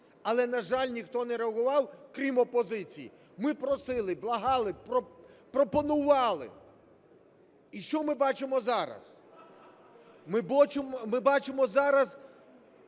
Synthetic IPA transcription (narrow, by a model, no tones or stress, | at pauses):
ɐlˠɛnɐʒɑlʲnʲixt̪ɔnɛɾeɐɦʊʋɑwkɾʲimɔpɔzɪt͡sʲijḭ | mɪpɾɔsɪlˠɪblˠɐɦɑlˠɪpɾɔpɾɔpɔnʊʋɑlˠɪ̰ | iʃt͡ʃɔmɪbɑt͡ʃɪmɔzɑɾɐ̰z | mɪbɔt͡ʃɪmɔmɪbɑt͡ʃɪmɔzɑɾɐz